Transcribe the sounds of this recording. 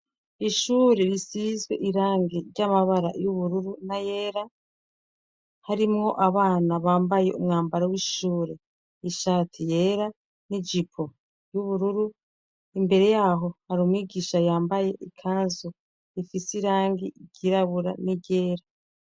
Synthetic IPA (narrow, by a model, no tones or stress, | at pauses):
iʃuːɾe̞ɾisizɡwe̞̰ʔiɾaːŋɡiɾɟamaβaɾa̰juβuɾuɾunaje̞ːɾa | haɾimŋo̞ʔaβaːnaβaːmbaje̞̰umŋaːmbaɾawiːʃuːɾe̞ | iʃaːtʰije̞ːɾa | nid͡ʒipʰo | juβuɾuɾu | imbe̞ɾe̞jaːɦo̞haɾuːmwiːɡiːʃajaːmbaje̞ʔikʰaːnzo | ifisiɾaːŋɡiɟ̥iɾaβuɾa̰niɟe̞ːɾa